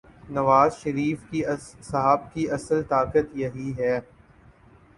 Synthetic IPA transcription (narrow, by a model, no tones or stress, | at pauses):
nɐʋaːzʃɐɾiːfkisɐɦaːbkiʔɐsəlt̪aːkət̪jɐɦiɦɛː